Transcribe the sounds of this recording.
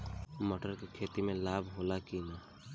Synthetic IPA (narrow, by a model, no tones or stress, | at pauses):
məʈəɾkikʰeːt̪imẽlaːbʱɦoːlakiːnaː